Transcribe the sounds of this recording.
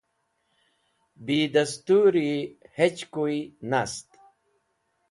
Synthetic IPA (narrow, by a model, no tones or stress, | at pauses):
bid̪ast̪uɾihet͡ɕkujnast̪